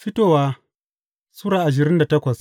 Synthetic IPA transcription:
ɸɪ˦toː˦˨waː˦ | sʊ˦ɽaː˨ʔa˨ʃ̬ɪ˨ɾɪ˦nda˨tɐ˦kʷɐ˨s

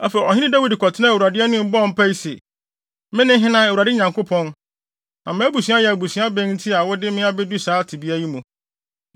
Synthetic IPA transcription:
a˦fa˨ɔ˨hɪ̃˦nɪ̃˦da˦wi˨dkʰɔ˨tʰɪ˦nã˦˨wu˨ɾa˨dɪ˦ɛ˦nʊ̃˦m̩˦bɔ˦˨m̩˦pʰa˦i˦sɛ˨ | mɪ̃˦nɪ̃˦ɦɪ̃˦nã˦˨wu˨ɾa˨dɪ˦ɲã˨ŋkʰo˦pʰɔ̃˦n | nã˨mã˦bu˨su˨˦a˦jɛ˨æ˨bu˨si˨˦a˦bɛ̃˦nn̩˦tʰi˦a˨wɔ˦dɪ˦mɪ̃˦a˦bɛ˦du˦saː˨˦tʰɪ˨bi˦æ˦ji˦mũ˨

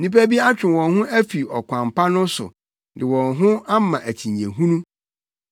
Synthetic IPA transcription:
nĩ˦pæ˦bi˦a˦t͡ɕᶣɪ̃˨wɔ̃˨nɦʊ̃˦ʔæ˦fi˨ɔ˨kʷʰã˨mpʰa˦nʊ̃˦sʊ̰˨ | dɪ˨wɔ̃˨nɦʊ̃˦a˦mã˨ʔæ˨t͡ɕʰĩ˨ɲ˨ẽ˨ɦũ˦nũ˦

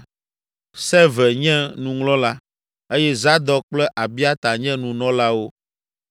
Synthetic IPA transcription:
sɛ˦vɛ˨ɲɛ̃˦nũ˨ŋlɔ̃˦la˦ | e˦jɛ˦za˦d̪ɔ˦k͡plɛ˦ʔa˨bi˦a˦t̪a˨ɲɛ̃˦nũ˨nɔ̃˦la˦wo˦

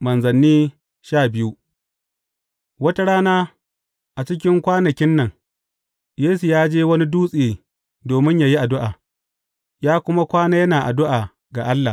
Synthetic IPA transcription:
mɐ˨nzɐ˨nːiː˦ | ʃaː˦˨bɪ˦ju˦ | wɐ˦ta˦ɽaː˦naː˦ | ʔa˨t͡ʃɪ˦k̬ʲɪ˦ŋkʷaː˦nɐ˨kʲɪ˦nːɐ˨ŋ | jeː˦su˨jaː˦d͡ʒeː˦wɐ˦ni˦duː˦sʼiː˨ | doː˨mɪ˦ɲja˨ji˦ʔa˨dʊ˦ʔaː˨ | jaː˦kʷʊ˦ma˦kʷaː˦naː˦jɐ˦naː˨ʔa̰˨dʊ˦ʔaː˨ | ɡa˨ʔa˦lːa˨

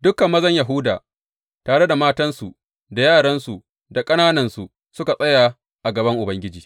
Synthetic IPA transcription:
dʊ˦kːɐ˨mːɐ˦zɐ˦ɲja˨ɦʊ˦daː˨ | taː˨ɽe˦da˨maː˦tɐ˦nsu˨ | da˨jaː˦˨ɽɐ˦nsu˨ | da˨kʼɐ˦naː˦nɐ˦nsu˨ʔ | sʊ˦ka˨sʼɐ˦jaː˨ | ʔa˨ɡɐ˨bɐ˦ŋʔʊ˨bɐ˦ŋɡʲɪ˦d͡ʒiː˨

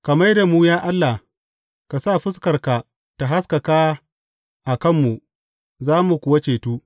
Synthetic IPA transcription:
kɐ˨mɐ˦jda˨mu˦jaː˦ʔa˦lːa˨ | ka˨sa˦˨ɸɪ˦skɐ˨rka˨ | ta˨ɦa˦skɐ˨kaː˦ | ʔa˨kɐ˦˨mːu˨ʔ | zaː˦mu˨kʷʊ˦wɐ˦t͡ʃeː˨tuː˦

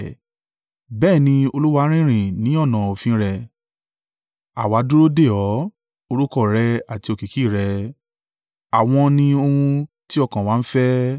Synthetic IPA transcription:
bɛː˦˨nĩ˧o˧lu˦wa˧˦ɾ̃ĩ˦ɾ̃ĩ˨nĩ˨˦ɔ˦˨nã˨o˨fĩ˧˦ɾɛ˧ | a̰˨wa˨˦du˦ɾo˦de˦˨ɔ˨˦ | o˧ɾu˦kɔ˦˨ɾɛ˧a˨ti˧o˧˨ki˨ki˦˨ɾɛ˧ | a˨w̃ɔ̃˧nĩ˧o˧hũ˧ | ti˦ɔ˦˧˨kã˨wa˨˦n̩˦fɛ˦

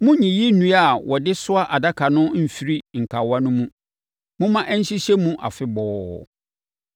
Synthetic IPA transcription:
mʊ̃˦ɲĩ˨ji˦nũ˨˦a˨wʔɔ˨dɪ˦sʊ˦a˦ʔa˨da˦kʰa˨nʊ̃˦m̩˨fi˦ɾi˦ŋ̩˨kʰa˨wa˦nʊ̃˦mũ˦ | mʊ̃˦mã˦ʔæ˦ɲ̩˦ɕi˦ɕɛ˦mũ˦ʔa̰˨fɪ˦bɔː˨˦˨

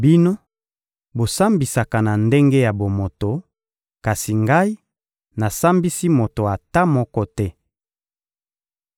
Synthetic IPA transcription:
bi˦no˦ | bo˨sa˦mbi˨sa˨ka˨na˨nde˦ŋɡe˦ja˨bo˨mo˨to˨ | ka˨si˨ŋɡa˦i˦ | na˨sa˦mbi˦si˦mo˨to˨a˨ta˦mɔ˦kɔ˦tɛ˦

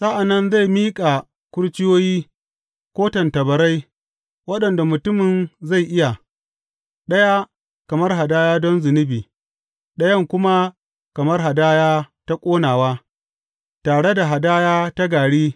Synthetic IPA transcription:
sa˦ʔa˨nːɐ˦nza˦˨jmiː˦kʼa˨ | kʷʊ˦ɽt͡ʃɪ˦joː˦jiː˦ | kʷoː˦tɐ˨ntɐ˨bɐ˨ɾa˦j | wɐ˦ɗɐ˨nda˨mʊ˨tʊ˦mɪ˨nza˦˨jʔɪ˦ja˨ | ɗɐ˦ja˦ | kɐ˨mɐ˦rɦa˨daː˦jaː˦dɔ˦nzʊ˨nɪ˦biː˨ | ɗɐ˦jɐ˦ŋkʷʊ˦ma˦ | kɐ˨mɐ˦rɦa˨daː˦jaː˦ta˦kʷʼoː˦naː˨waː˦ | taː˨ɽe˦da˨ɦa˨daː˦jaː˦ta˦ɡaː˨ɽiː˦

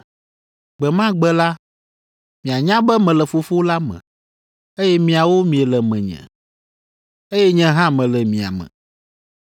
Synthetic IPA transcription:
ɡ͡bɛ˨mã˦ɡ͡bɛ˦la˦ | mĩ˨a˨ɲã˦bɛ˦mɛ̃˨lɛ˨fo˨fo˦la˦mɛ̰̃˨ | e˦jɛ˦mĩ˨a˨wo˦mĩ˨ɛ˨lɛ˨mɛ̃˨ɲɛ̰̃˨ | e˦jɛ˦ɲɛ̃˦ɦã˦mɛ̃˨lɛ˨mĩ˨a̰˨mɛ̰̃˨

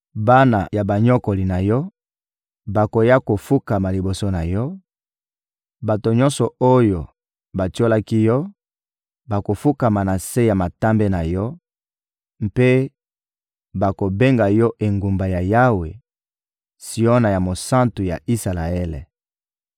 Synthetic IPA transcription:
ba˦na̰˨ja˨ba˨ɲɔ˦ko˨li˨na˨jɔ˦ | ba˨ko˨ja˦ko˨fu˦ka˨ma˨li˨bo˨so˦na˨jɔ˦ | ba˨to˨ɲɔ̃˦nsɔ˨o˦jo˨ | ba˨to˦la˦ki˦jɔ˦ | ba˨ko˨fu˦ka˨ma˨na˨se˦ja˨ma˨ta˦mbe˦na˨jɔ˦ | mpe˦ | ba˨ko˨be˦ŋɡa˨jɔ˦ʔe˨ŋɡu˨mba˨ja˨ja˦we˨ | si˨o˦na˨ja˨mo˨sã˦ntu˨ja̰˨ʔi˦sa˨la˨ɛ˦lḛ˨

